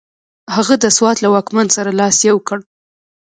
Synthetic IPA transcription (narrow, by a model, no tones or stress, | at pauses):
haɣad̪əswɑt̪lawɑkmansaɾalɑsjawkəɽ